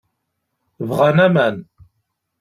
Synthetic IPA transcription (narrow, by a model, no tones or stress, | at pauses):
vʁanæmæn